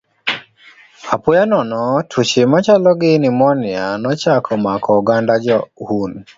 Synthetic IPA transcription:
apʊjanɔnɔtʰut͡ʃimat͡ʃalɔɡɪnɪmɔnɪanɔt͡ʃakʰɔmakʰɔuɡandad͡ʒɔhun

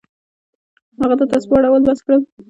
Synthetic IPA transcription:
haɣat̪at̪aspɑɽawəlbaskɽəl

